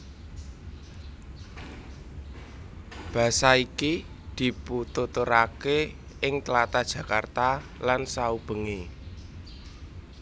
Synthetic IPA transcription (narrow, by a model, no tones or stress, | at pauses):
b̥ä̤saiki | d̪̥i̤put̪ut̪uɾake | ɪŋt̪əlat̪ad̥ʒ̥ä̤kart̪alansaub̥ə̤ŋe